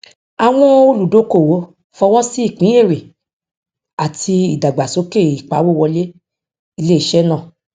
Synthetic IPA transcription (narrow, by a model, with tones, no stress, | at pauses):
a˨w̃ɔ̃˦o˦˧lu˨do˨˦ko˦˨wo˨˦ | fɔ˧w̃ɔ̃˦si˦i˦˨k͡pĩ˨˦e˦˨ɾe˨ | a˨tʰi˧i˨da˨ɡ͡ba˨so˨˦ke˦˨i˨k͡pa˨˦wo˦˨wɔ˧le˦ | i˧le˦i˦ʃɛ˦nã˦˨